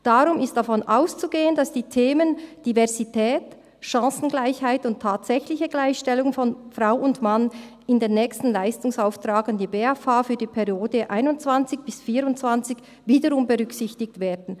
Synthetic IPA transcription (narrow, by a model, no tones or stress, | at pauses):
d̥aʁʊmɪst̚d̥afɔnʔaʊst͡suɡeːənd̥asd̥iːtʰeːmənd̥ivɛɐzitʰɛːt | ʃɑ̃ːsn̩ɡlaɪçhaɪtʊntʰːaːtsɛçlɪçəɡlaɪçʃtɛlʊŋnfɔnfʁaʊʊntman | ɪndeːnːɛːkstn̩laɪstʊŋsaʊftʁ̥aːɡəndiːbeafaːfyːɐdiːpʰɛʁjoːdəʔaɪnʊnt͡sv̥ant͡sɪçb̥ɪsfiːɾʊnt͡sv̥ant͡sɪç | viːdəʁʊmbəʁʏksɪçtɪk̚tveːdn̩